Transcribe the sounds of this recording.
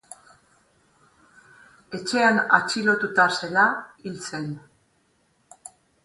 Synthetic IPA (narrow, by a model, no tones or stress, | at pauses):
e̞t͡ʃe̞anat͡ʃilo̞t̪ut̪ase̞lailt͡se̞n